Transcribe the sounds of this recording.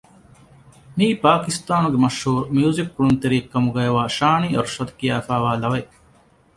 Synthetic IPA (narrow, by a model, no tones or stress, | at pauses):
miːpaːkist̪aːnuɡemɐʃhuːɾmjuːzik̚ːuɾunt̪eɾiːkkːɐmuɡɐjɐʋaːʃaːɳiːʔɐɾʃɐd̪kijaːfaːʋaːlɐʋɐ